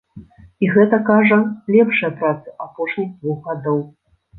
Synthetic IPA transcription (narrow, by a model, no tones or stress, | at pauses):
iɣɛt̪ɐkaʐɐlʲɛpʂɐjɐpɾat̪sɨʔapɔʂnʲiɣd̪vuɣɣad̪ɔw